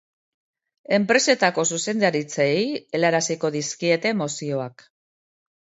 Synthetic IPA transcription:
e̞mpɾe̞se̞t̪ako̞suse̞nd̪aɾit͡sejelaɾasiko̞ðiskie̞t̪e̞mosio̞ak

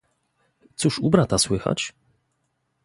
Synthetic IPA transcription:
t̪suʂubɾat̪aswɘxa̰t͡ɕ

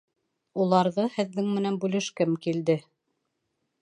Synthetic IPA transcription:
ulˠɑɾðɤhɘ̆ðːɘŋmɘ̆nænbʉlɘʃkɘmkild̪ɘ

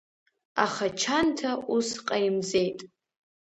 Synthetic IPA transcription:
aχat͡ʃʰantʰaʔusqʼaimze̞jtʼ

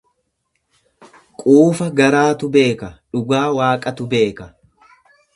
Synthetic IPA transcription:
kʼuːfɐɡɐɾaːt̪ʊbe̞ːkɐᶑʊɡaːwaːkʼɐt̪ʊbe̞ːkɐ

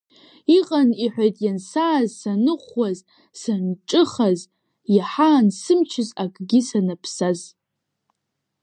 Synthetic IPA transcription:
iqʼaniħʷᶣajtʼjansaːzsanɨχʷwaz | sanʈ͡ʂʼɨχaz | jaħaːnsɨmt͡ʃʰɪzakʼɡʲɪsanapʰsaz

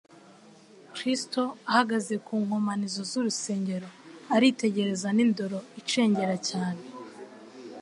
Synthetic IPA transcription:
kɾisto̞ahaɡaze̞kuːŋhomanizo̞zuɾuse̞ːɲɟe̞ɾo̞aɾite̞ɟe̞ɾe̞zanindo̞ɾo̞it͡ʃe̞ːɲɟe̞ɾacaːne

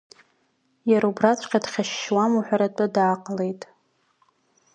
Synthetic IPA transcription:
jaɾaubrat͡sʷʰʼqʲadχʲaʃːwamuħʷᶣaɾatʼɨdaːqʼlejtʼ

